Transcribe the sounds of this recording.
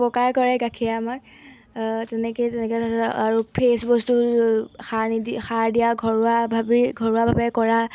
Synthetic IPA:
pɔkaɹkɔɹɛɡakʰiamak | tɛnɛkɔtɛnɛkɛaɹupʰesbɔstuxaɹnidixaɹdijaɡʱɔɹabʱabiɡʱɔɹuabʱabɛkɔɹa

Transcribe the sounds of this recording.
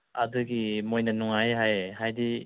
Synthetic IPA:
a̰dɯɡimojnanuŋajɦajhajdi

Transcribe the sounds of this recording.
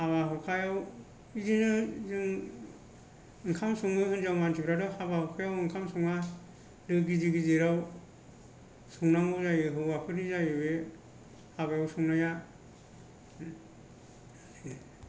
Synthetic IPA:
haβaɦɯkʰajaw | izinɯzɯŋ | ɯŋkʰamsuŋnɯɦɯnd͡ʒawmantʰibɾadɔhabahɯkʰajawɯŋkʰamsɔŋa | dɯɡiziɡizeɾaw | suŋnaŋɯzajɯɦɯwapʰɯɾizajɯbe | haβajawsɔŋnaja

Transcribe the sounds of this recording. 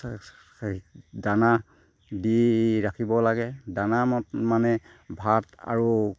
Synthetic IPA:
dana | diɹakʰibɔlaɡɛdanamɔtmanɛ | bʱata̰ɹu

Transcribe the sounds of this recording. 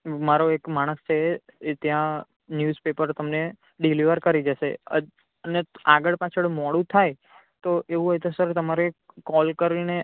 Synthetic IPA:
maɾoekmaɽ̃əst͡ʃʰet̪jã | njuzpepəɾt̪əmne | ɖiliʋəɾkəɾid͡ʒəʃeə | əneaɡəɭpat͡ʃʰəɭmɔɽũt̪ʰaj | t̪oʔeʋũɦɔjt̪osəɾt̪əmaɾekɔlkəɾine

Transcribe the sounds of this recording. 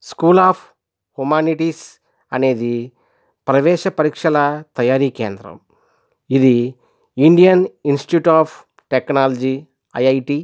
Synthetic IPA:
skuːlaːpʰ | humaːniʈis | ɐne̞ːd̪i | pɾɐʋɛːʃɐpɐɾiːkʂɐlɐt̪ɐjaːɾiːkeːnd̪ɾɐ̰m | id̪i | iɳɖijɐninsʈʈjuːʈaːpʰ | ʈeknaːlɐd͡ʒi | ɐ̰jɐjʈi

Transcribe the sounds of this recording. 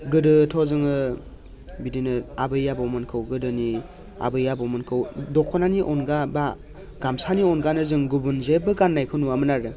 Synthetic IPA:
ɡɯdɯtʰɔzɯŋɯ | bidinɯabɯjːabɔwmɯnkʰɯwɡɯdɯni | a̰bɯjabɔwmɯnkʰɯwdɔkʰɔnaniʔɔnɡaba | ɡamsaniɔnɡanɯzɯŋɡubunzebɯɡanːajkʰɯnuamɯnaɾɯ

